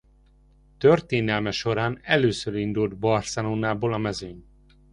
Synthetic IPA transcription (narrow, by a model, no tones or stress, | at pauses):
t̪ørt̪eːnɛlmɛʃo̞ɾaːnɛløːsøɾind̪uld̪bɒrsɛnoːnaːboːlɒmɛzøɲ